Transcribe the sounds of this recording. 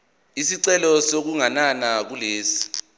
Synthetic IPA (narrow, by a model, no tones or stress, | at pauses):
isiǀɛlɔsok̬uŋananak̬uleːsi̥